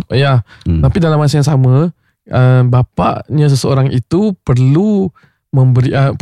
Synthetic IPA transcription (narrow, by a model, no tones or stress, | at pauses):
jat̪apidalamːas̬ajaŋsamã | ʔəbapa̰ʔɲas̬əsəoɾaŋʔit̪upərlu | məmbəɾiʔəp